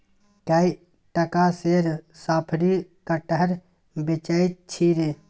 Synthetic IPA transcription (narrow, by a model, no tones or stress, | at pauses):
kaːi | ʈəkaseɾsaːpʰɾikaʈəɦəɾ | bet͡ʃait̪̚t͡ʃʰiɾe